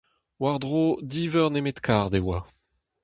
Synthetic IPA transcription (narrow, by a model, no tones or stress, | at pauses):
waʁd̪ʁod̪iːvœʁnemet̪kʰaʁd̪ewa